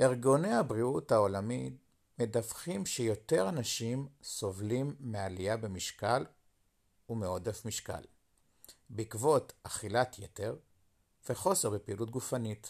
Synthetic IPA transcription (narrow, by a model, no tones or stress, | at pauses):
ʔeʁɡo̞nehabʁiuthao̞lamit | me̞dafχimʃejo̞te̞ʁanaʃimso̞vlimːealijabemiʃkal | umeo̞defmiʃka̰l | bikvo̞taχilatʰjete̞ʁ | veχo̞seʁbepiiːlut̚ɡufanit